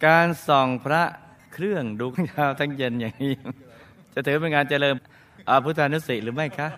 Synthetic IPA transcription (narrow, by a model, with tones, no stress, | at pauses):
kaː˧nsɔ˨˩ŋpʰɾa˦˥ʔ | kʰɾɯ˥˩əŋduː˧ka˦˥ŋkʰaː˦˥˩wt̪ʰa˦˥ŋje˧njaː˨˩ŋniː˦˥ | t͡ɕa˨˩ʔt̪ʰɯː˩˦pe˧nkaː˧nt͡ɕə˧lɤː˧m | ʔaː˧˩pʰu˦˥t̪ʰːa˧nu˦˥si˨˩ʔɾɯː˩˦ma˥˩jkʰa˦˥ʔ